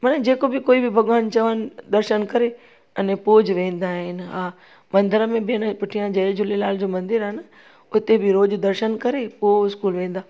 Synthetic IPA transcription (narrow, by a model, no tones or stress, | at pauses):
mɐnɛd͡ʑeːkobɪkoːibɪbʱɐɠaːnt͡ɕɐʋənɪ̆d̪ɐɾʃənkɐɾe | ɐnẽpoːd͡ʑʋẽːn̆d̪aːɦɪnɪ̆ɦãː | mɐ̃nd̪əɾəmẽbɪənpʊʈʰijãd͡ʑɐed͡ʑʊlelaːld͡ʑoːmɐ̃nd̪ɪɾaɦnə | ʊt̪ebʱɪɾoːd͡ʑd̪ɐɾʃənkɐɾepoɪskuːlʋẽːn̆d̪aː